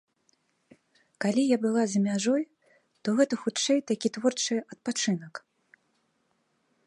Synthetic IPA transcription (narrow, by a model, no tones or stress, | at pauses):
kalʲijabɨlˠazʲɐmʲaʐɔj | t̪ɔɣɛt̪ɐxut͡ʂɛjt̪akʲit̪vɔrt͡ʂɨʔɐt̪̚pat͡ʂɨnɐk